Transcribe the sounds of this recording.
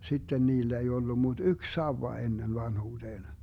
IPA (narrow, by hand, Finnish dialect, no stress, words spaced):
sitːen niːlːæ ei olːu mut yk sɑuwɑ enːen ʋɑnhuːd̥eːn